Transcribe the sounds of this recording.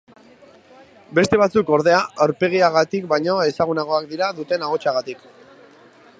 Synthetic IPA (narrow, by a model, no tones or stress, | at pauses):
be̞st̪e̞β̞at͡suko̞ɾð̞e̞aawɾpe̞ɣ̞iaɣat̪ikbajɲo̞e̞saɣunaɣ̞o̞akd̪iɾaðut̪e̞naɣ̞o̞t͡ʃaɣat̪ik